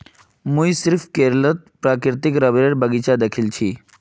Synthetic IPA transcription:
mũjsiɾfʰkeɾlət̪̚pɾakɪɾt̪ikɾəbɾeɽbəɡit͡ʃad̪əkʰilt͡ʃʰiː

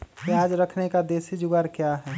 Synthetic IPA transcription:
toaːd͡ʒɾəkʰnekad̪eːsid͡ʒʊɡaɾkjaɦɛː

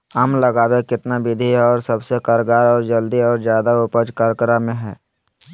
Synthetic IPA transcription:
əːmləɡaːwekɪt̪nabɪd̪ʱiɔːɾsɐbsekəɾɡaːɾɔːɾd͡ʒəld̪iɔːɾzjaːd̪aʊpəd͡ʒkaːɾkəɾamẽɦɛː

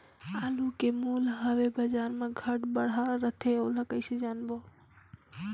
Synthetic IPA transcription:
alukemulɦəʋebəd͡ʒanmẽɡʱəʈbəɽ̤aɾət̪ʰeoləkəɪsed͡ʒanbo

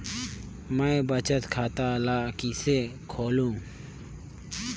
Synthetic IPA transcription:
məbət͡ʃət̪kʰaːt̪aːlaːkiːsekʰoːlũː

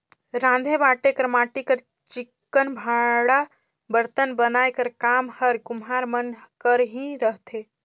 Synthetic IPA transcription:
ɾãnd̪ʱebaʈekəɾmaʈikəɾ | t͡ʃikːənbʱaɽa | bəɾt̪ənbənaekəɾkaːmhəɾkumɦaɾmənkəɾɦĩɾəɦt̪ʰe

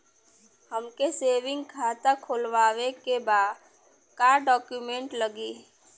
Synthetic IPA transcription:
həmkeseːʋɪ̃ŋɡkʰaːt̪akʰoːlʋaːwekebaːd̪ | kaːɖɔːkjumẽɳʈləɡiː

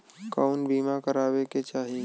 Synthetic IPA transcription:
kaʊnbimakəɾabeket͡ʃaɦi

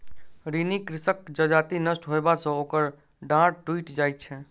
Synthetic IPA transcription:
ɾinikɾisəkd͡ʒəd͡ʒat̪inəsʈɦoebasə̃okəɾ | ɖãɽʈuiʈd͡ʒajt̪̚t͡ʃʰɛ

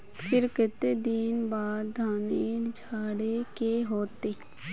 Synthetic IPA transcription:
fʰɪɾkɪt̪ed̪inbaːd̪d̪ʱaːneːɾd͡ʒʱaːɽekeɦoːt̪eː

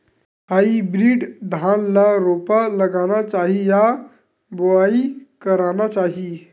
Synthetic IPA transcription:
ɦaibɾiːɖd̪ʱanlaɾopaləɡañat͡ʃaɦija | boaikəɾanat͡ʃaɦi

